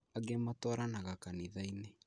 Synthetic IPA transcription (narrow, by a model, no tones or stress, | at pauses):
aɡematwɔaɾanaɣakaniðaine